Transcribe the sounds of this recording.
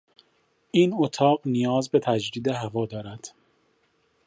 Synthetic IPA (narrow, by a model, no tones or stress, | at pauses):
ʔiːnot̪ʰɒːɢnijɒːzbe̞t̪ʰæd͡ʒd̪iːd̪eɦævɒːd̪ɒːɾæd̪̥